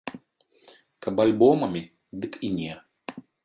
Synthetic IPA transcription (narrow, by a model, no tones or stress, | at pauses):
kɐbalʲbɔmɐmʲi | d̪ɨkinʲɛ